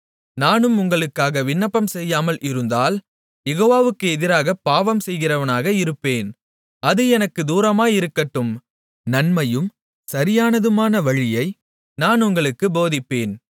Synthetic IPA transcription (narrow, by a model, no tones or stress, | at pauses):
naːnɯmʊŋɡɐɭɯkːaːɣɐʋɪnːɐpːɐmsɛjːaːmɐlʔɪɾɯnd̪aːl | jɛɣoːʋaːʋɯkːɯɛðɪɾaːɣɐpaːʋɐmsɛjɣɪrɐʋɐnaːɣɐɪɾɯpːeːn | ɐðɯɛnɐkːɯd̪uːɾɐmaːjɪɾɯkːɐʈːɯm | nɐnmɐjɯm | sɐɾɪjaːnɐðɯmaːnɐʋɐɻɪjɐɪ | naːnʊŋɡɐɭɯkːɯboːðɪpːeːn